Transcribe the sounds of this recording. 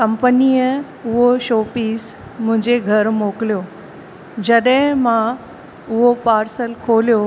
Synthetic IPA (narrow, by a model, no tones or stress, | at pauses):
kɐ̃mpəniːjə | ʊɦoʃoːpiːsmʊ̃ɦɪ̃ɲd͡ʑeɡʱɐɾmoːkɪlijoː | d͡ʑɐɗɦɪ̃mã | ʊɦopaːɾsəlkʰoːlijo